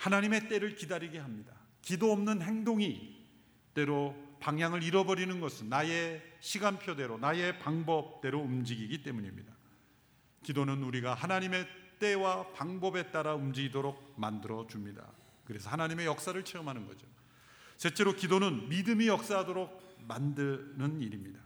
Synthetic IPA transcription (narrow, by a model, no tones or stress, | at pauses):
hanaɲime̞t͈e̞ɾɯɭkidaɾiɡe̞ɦamɲida | kidoʌmnɯnɦe̞ŋdoŋi | t͈e̞ɾopaŋjaŋɯɾiɾʌbʌɾinɯnɡʌsʰɯnːaje̞ɕʰiɡanpʰjode̞ɾonaje̞paŋbʌp̚t͈e̞ɾoumd͡ʑiɡiɡit͈e̞muɲimɲida | kidonɯnuɾiɡaɦanaɲime̞t͈e̞wapaŋbʌbe̞t͈aɾaumd͡ʑiɡidoɾok̚mandɯɾʌd͡ʑumɲida̰ | kɯɾe̞sʰʌhanaɲime̞jʌk̚s͈aɾɯɭt͡ɕʰeɯmɦanɯnɡʌ̰d͡ʑo | sʰe̞t͡ɕ͈e̞ɾokidonɯnmidɯmijʌk̚s͈aɦadoɾok̚mandɯnɯniɾimɲida